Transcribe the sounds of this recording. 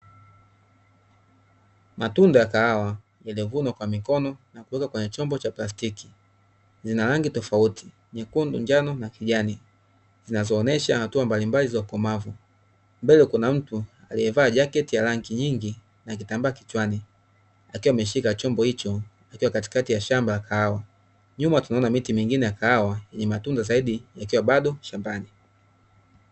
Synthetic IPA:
matundajakaawa | jalɛvunakwamikɔnɔnakuwɛkakwɛɲɛt͡ʃɔmbɔt͡ʃaplastiki̥ | zinalaŋɡitɔfautʰi̥ | ɲɛkundṵɲd͡ʒanɔnakiʄani | zinazɔːnɛʃahatuambalimbalizaukɔmavu | mbɛlɛkunam̩tu | alijɛvaːʄakɛtijalaŋɡiɲiŋɡi | nak̬itambaːkit͡ʃwani | akiwamɛʃ̬ikat͡ʃɔmbɔhit͡ʃɔ | akiwakati̥katijaʃambalakʰahawa | ɲumatunaɔnamitimiŋɡinɛjakahawajɛɲɛmatundazaiɗijakiwaɓaɗɔʃambani

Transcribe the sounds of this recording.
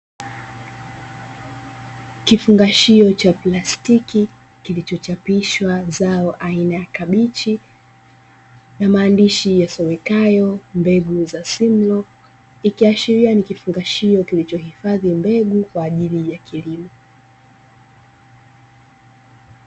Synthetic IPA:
kifuŋɡaʃiɔt͡ʃaplastiki | kilit͡ʃɔt͡ʃapiʃwazaɔʔainajakaɓit͡ʃi | namaːndiʃijasɔwɛkajɔmbɛɡuzasim̩lɔ | ikiaʃiɾianikifuŋɡaʃiɔkilit͡ʃɔhifaðimbɛɠukwaːʄilijakilimɔ

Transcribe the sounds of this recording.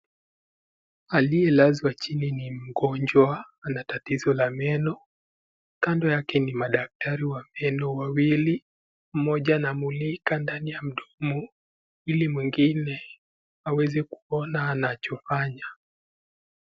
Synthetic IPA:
alijɛlazwat͡ʃininim̩ɡɔɲd͡ʒwa | natatizɔlamɛnɔ | kandɔjakɛnimaɗak̚tʰaɾiwamɛnɔwawili | m̩mɔʄanamulikandanijam̩ɗɔmu | ilimwiŋɡinɛ | awɛzɛku̥ɔnaːnat͡ʃɔfaɲa

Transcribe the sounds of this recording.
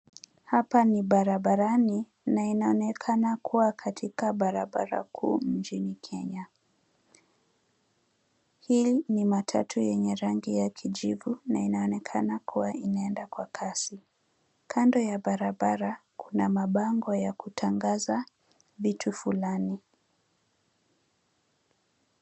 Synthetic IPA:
hapaniɓaɾaɓaɾani | nainaɔnɛkʰanakʰuwakʰatʰikaɓaɾaɓa̰ɾa̰kʰṵːnt͡ʃinikʰɛɲa | hinimatʰa̰tʰujɛɲɛɾaŋɡijakʰiʄivunainaɔnɛkʰanakuwaʔinaɛndakwakʰasi | kʰandɔjaɓaɾaɓaɾakʰunamaɓaŋɡɔjakutʰaŋɡaza | vitʰufulani

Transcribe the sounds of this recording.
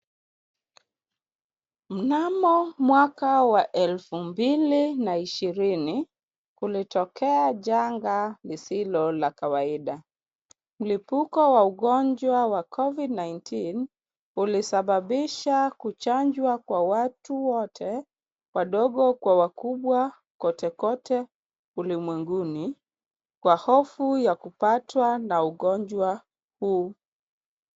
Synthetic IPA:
m̩namɔmwakawaʔɛlfumbilinaiʃiɾini | ulitɔkɛaʄaŋɡalisilɔlakawaiɗa | m̩lipukɔwauɠɔɲd͡ʒwawakʰɔvidnajntʰin | ulisaɓaɓiʃakut͡ʃaɲd͡ʒwakwawatuwɔtʰɛ | waɗɔɠɔkwawakuɓwa | kɔtɛkɔtʰɛ | ulimwɛŋɡuni | kwahɔfujakupatwanauɠɔɲd͡ʒwa | huː

